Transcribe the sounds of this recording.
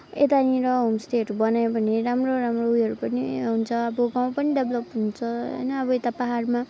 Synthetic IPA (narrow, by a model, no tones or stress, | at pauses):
et̪anĩɾʌɦomsʈ̪eʌʈubʌnajbʱʌneramroɾamroujʌɾupʌnḭɦunt͡sʰʌʌbʌɡaw̃pʌniɖʌbʱlʌpɦunt͡sʰʌɦʌ̰jnʌːbʌet̪apaɦarma